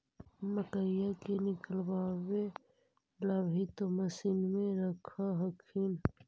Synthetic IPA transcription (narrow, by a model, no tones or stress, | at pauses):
məʈəjakenɪkəlbaːwe | ləbʱit̪oməsinmẽɾəkʰaɦəkʰin